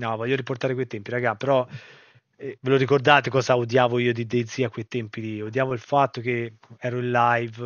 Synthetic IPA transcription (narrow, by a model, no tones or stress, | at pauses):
nɔvɔʎːoɾiport̪aːɾekwejt̪ɛmpiɾaɡapeɾɔ | ɛveloɾikord̪aːt̪ekɔːzaud̪jaːvoiːod̪id̪ejd̪ziːakːwejt̪ɛmpiliud̪jaːvoilfat̪ːok̟eɛːɾoillajv